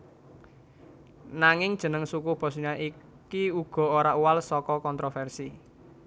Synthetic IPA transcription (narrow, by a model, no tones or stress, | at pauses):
naŋɪŋd̥ʒ̥ə̤nəŋsukʊhb̥ɔ̤suɲaʔi | kiuɡ̥ɔ̤oɾaʔuwalsɔkɔkɔnt̪ɾofɛrsi